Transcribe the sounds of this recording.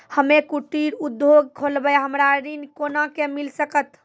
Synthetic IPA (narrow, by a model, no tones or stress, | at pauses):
həmekuʈːiɾud̪joɡ̚kʰolbəjɦəmɾaɾinkonakemilsəkət̪